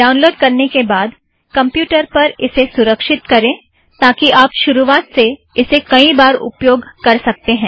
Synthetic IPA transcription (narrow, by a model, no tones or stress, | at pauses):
ɖaːʊ̃nloːɖkɐɾnekebaːd̪ | kɐ̃mpjuːʈəɾpɐɾɪsesʊɾəkʃɪt̪kɐɾẽː | t̪aːkiʔaːpʃʊɾuʋaːt̪se | ɪsekɐibaːɾʊ̰pjoːɡkɐɾsɐk̚t̪eɦɛ̃ː